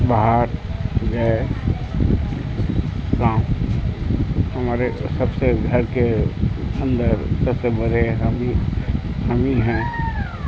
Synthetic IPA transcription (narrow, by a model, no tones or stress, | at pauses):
baɦaɾd͡ʒae | kãːm | həmaːɾesəbseɡʱəɾke | ə̃nd̪əɾsəbsebəɾeɦəmi | hamiːnɦɛ̃ː